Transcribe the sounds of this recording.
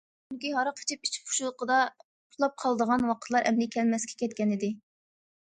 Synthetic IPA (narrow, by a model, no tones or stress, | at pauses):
unɪkʲiɦɑɾəqʰə̥t͡ʃʰip̚i̥t͡ʃʰp̚ʰʊ̥ʃulˠəqʰəd̪ɑ | ʊlˠɑp̚qʰɑlˠəd̪əʁɑnwɑqʰət̪ʰlˠɑɾɛmlɪkʲʰɛlmɛskʲɛ̥kʲɛt̪̚kʲɛnɪd̪ɪ